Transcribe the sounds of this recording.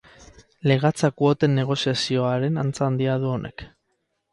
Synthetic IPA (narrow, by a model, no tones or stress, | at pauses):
le̞ɣat͡sakuot̪e̞nːe̞ɣ̞o̞siasio̞aɾe̞nant͡saːnd̪iað̞uo̞nʔe̞̰k